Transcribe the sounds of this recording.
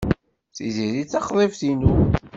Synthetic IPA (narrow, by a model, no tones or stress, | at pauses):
θiziɾit͡sːɑχðˤefθinu